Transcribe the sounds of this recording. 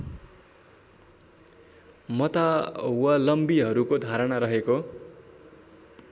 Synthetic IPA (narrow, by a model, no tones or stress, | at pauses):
mʌt̪awalʌmbiɦʌɾukod̪ʱaɾʌnaɾʌɦeko